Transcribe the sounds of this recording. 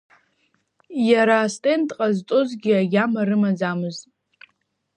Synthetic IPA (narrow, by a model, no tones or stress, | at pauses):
jaɾaːstʼentʼqʼaztʼʊzɡʲiaɡʲamaɾɨmad͡zamɨztʼ